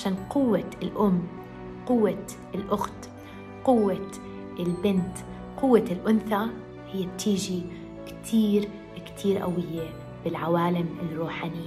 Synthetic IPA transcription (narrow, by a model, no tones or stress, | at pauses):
ʕaʃaːnqʊwːaɪlʔʊmː | qʊwːa | ɪlʔʊxt̪ | qʊwːa | ɪlbɪnt̪ | qʊwːaɪlʔʊnθa | hɪjːab̚t̪iːʒi | kt̪ʰiːɾ | kt̪ʰiːɾʔa̰wɪjːe | bɪlʕawaːlɪmɪnruːħanɪjːa